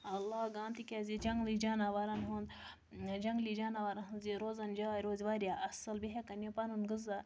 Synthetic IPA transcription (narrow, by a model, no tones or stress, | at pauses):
ɐlːaɡãːnt̪ikʲazid͡ʒɐŋɡlid͡ʒanaʋaɾanɦõnd̪ | d͡ʒɐŋɡlid͡ʒaːnaʋaɾanɦənziɾozɐnd͡ʒajɾozʋaɾjaʔɐsɐlbiɦakɐnjopanunɡɨza